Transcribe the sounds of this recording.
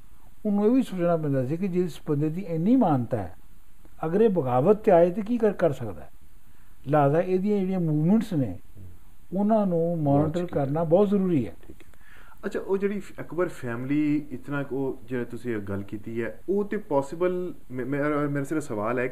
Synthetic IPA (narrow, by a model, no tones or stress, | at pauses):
ʊnːũːeːʋiːsoːt͡ʃnaːp̬ɛ̃ːnd̪aːsiːkɪd͡ʒɪsbənd̪eːd̪iːenĩːmaːnt̪a̰ːɛ̰ː | əɡəɾeːbəɡaːʋət̪ːeaːeːt̪eːkiːkəɾkəɾsəkd̪a̰ː | laːzaːeːd̪ijãːd͡ʒeːɽiãːmuːʋməɳʈsnḛː | ʊnãːnũːmɔːnɪʈəɾkəɾnaːbɔːt̪zəɾuːɾiːɛ̰ːiː | ətːt͡ʃʰaːʔoːd͡ʒeːɽiː | əkbəɾpʰɛːmliːɪt̪nãːkoːd͡ʒeːt̪ʊsĩːɡəlːkiːt̪iːɛːoːt̪eːpɔːsɪbəl | mːmɛ̃meːɾaːseɾəsəʋaːlɛː